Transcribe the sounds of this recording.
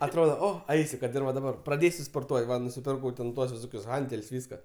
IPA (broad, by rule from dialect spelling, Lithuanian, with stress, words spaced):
ɐtˈroːdoː ˈoː ˈɐɪsʲɪ ˈkɐt ɪr ʋɐ dɐˈbɐr prɐˈdʲeːsʲʊ spoːrˈtuɔtʲ ˈʋɐ nʊsʲɪˈpʲɪrkɐʊ tʲɛn ˈtuɔs ʋʲɪˈsoːkʲʊs ˈɣɐnʲtʲɛlʲsʲ ˈʋʲiːskɐ